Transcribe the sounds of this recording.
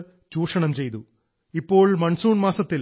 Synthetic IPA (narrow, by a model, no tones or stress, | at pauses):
t͡ɕuːʂɐɳɐmt͡ɕejt̪u | ipːo̞ːɭmɐɳsuːɳmaːsɐt̪ːil